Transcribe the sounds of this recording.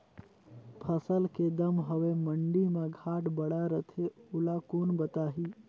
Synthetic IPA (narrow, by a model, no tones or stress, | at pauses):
pʰəsəlked̪əmɦəʋeməɳɖimãɡʱaːʈbəɽaɾət̪ʰeʊlakoːnbət̪aːɦiː